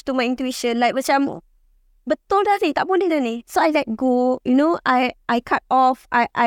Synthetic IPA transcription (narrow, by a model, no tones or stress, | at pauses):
tumajĩntuiʃə̃nlajk̚mət͡ʃãmo̰ | bət̪ɔldaɾit̪aʔ̚podɛdanisoajlɛt̚ɡojunoʔajʔajkʰat̚ɔfa̰jʔa